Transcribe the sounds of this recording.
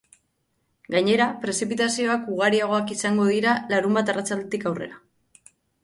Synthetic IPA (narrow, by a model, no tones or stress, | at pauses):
ɡaɲe̞ɾapɾe̞sipit̪asio̞akuɣ̞aɾiaɣ̞o̞akisaŋɡo̞ð̞iɾalaɾumbat̪arat͡sald̪e̞t̪ikawre̞̰ɾa